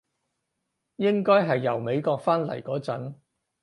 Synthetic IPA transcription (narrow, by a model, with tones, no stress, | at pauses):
jɪ˥ŋkɔː˥jɦɐ˨jːɐ˨˩wme˨˧jkɔː˧k̚faː˥nlɐ̰˨˩jkɔː˨˥t͡sɐ˨˥n